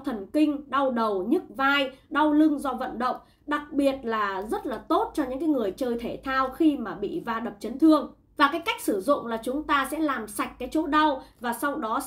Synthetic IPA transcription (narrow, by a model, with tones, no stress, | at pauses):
t̪ʰə˨˩nkï˧ŋ̟ɗa˧wɗə˨˩wɲɨ˦˥k̚vaː˧jɗa˧wlɨ˧ŋzɔ˧və̰˧˨nɗə̰˧˨wŋ͡m | ɗa˨˩k̚ɓi˨˩ət̚laː˨˩zə˦˥t̚laː˨˩t̪o˦˥t̚t͡ɕɔ˧ɲɨ̰˧˥ŋkaː˨˦jŋɨ˨˩əjt͡ɕəː˧jt̪ʰe˧˩t̪ʰaː˧wxi˧maː˨˩ɓḭ˧˨vaː˧ɗə˨˩p̚t͡ɕə˨˦nt̪ʰɨ˧əŋ | vaː˨˩kaː˨˦jka˦˥jk̚sɨ˧˩zʊ̰˧˨ŋ͡mlaː˨˩t͡ɕʊ˨˦ŋ͡mt̪aː˧sɛ̰˧˥laː˨˩msa˨˩jk̟̚kːaː˨˦jt͡ɕo̰˧˥ɗa˧wvaː˨˩sa˧wɗɔ˨˦